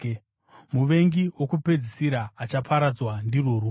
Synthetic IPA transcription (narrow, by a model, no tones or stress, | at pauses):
muʋe̞ŋɡiwokupe̞d͡zisiɾaːt͡ʃapʰaɾad͡zwandiroːru